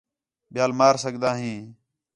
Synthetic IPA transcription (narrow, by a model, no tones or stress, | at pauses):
ɓɪjaːlmaːɾsəɠd̪aːɦĩː